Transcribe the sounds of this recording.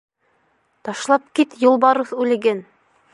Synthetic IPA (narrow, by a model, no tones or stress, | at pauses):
t̪ɑʃlˠɑp̚kit̪jŏlˠbɑɾɤsʉlɘ̆ɡen